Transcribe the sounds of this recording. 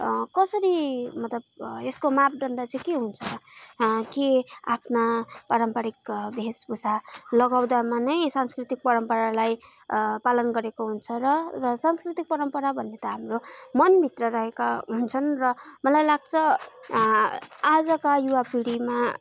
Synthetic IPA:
kʌsʌɾimʌt̪lʌbeskomap̚ɖ̪ʌnd̪at͡sʌj̃keɦunt͡sʰʌ | kea̰pʰnapaɾʌmpaɽikbʱesbusalʌɡawd̪amanʌjsanskrit̪ik̚pʌɾʌmpʌɾalaj | palʌnɡʌɾekoɦunt͡sʰʌɾʌrʌsanskrit̪ik̚pʌɾʌmpʌɾabʱʌnːet̪ʌɦamromʌnbʱit̪rʌɾʌɦekaɦunt͡sʰʌnrʌmʌlajlaɡ̚t͡sʰʌ | ad͡zʌkajuwapiɽima

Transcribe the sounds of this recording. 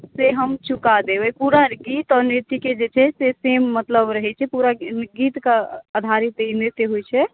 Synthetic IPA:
seɦəmt͡ʃukad̪ebɛpuɾaɡit̪ɔɾnit̪iked͡ʒet͡ʃʰɛsesemːət̪ləbɾəɦɛt͡ʃʰɛpuɾaɡit̪kaəd̪ʱaɾit̪eineɾt̪eɦojt͡ʃʰɛ

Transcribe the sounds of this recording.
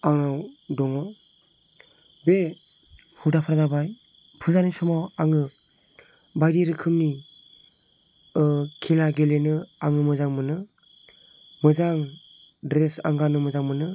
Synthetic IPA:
aŋawdɔŋɔw | be | hudapʰaɾazabaj | pʰɯzanisɔmawaŋɯ | bajɾiɾɯkʰɯmni | kʰilaɡelenɯaŋɯmɯzaŋmɯnɯ | mɯzaŋ | dɾesa̰ŋɡanɯmɯzaŋmɯnɯ

